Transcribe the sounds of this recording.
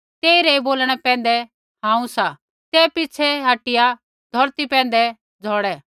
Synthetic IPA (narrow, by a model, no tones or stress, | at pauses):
t̪eːiɾɛeboːlɽ̃ɛpɛ̃ːnd̪ɛ | hãːũsa | t̪ɛːpɪt͡ʃʰɛɦaːʈɪja | d̪ʱɔɾt̪ipɛ̃ːn̆d̪ɛ | d͡zʱɔːɽɛ